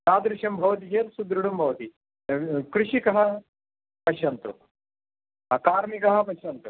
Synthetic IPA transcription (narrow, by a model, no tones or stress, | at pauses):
aːd̪ɾɪʃɐmbʱɐʋɐt̪id͡ʒeːlsud̪ɾuɽumbʱɐʋɐt̪i | kɾɪʃikɐɦɐ | pɐʃɐnt̪ɾṵ | ɐkaːɾmikɐɦɐ̆pɐʃɐnt̪ɾu